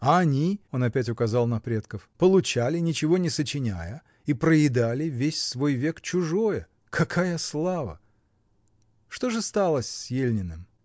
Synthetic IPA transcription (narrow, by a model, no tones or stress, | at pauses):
ɐɐnʲio̞nɐpʲæt̬ʲʊkɐzɑlˠnɐpɾʲe̞t̪kəfpəlˠʊt͡ɕalʲɪnʲɪt͡ɕɪvo̞nʲɪsət͡ɕɪnʲæjə | ipɾəjɪd̪alʲɪvʲesʲsvo̞jvʲe̞kt͡ɕʊʐo̞jə | kʰɐkʰajəslˠavə̰ | ʂt̪o̞ʐɨst̪alˠəsʲsjelʲnʲɪnɨm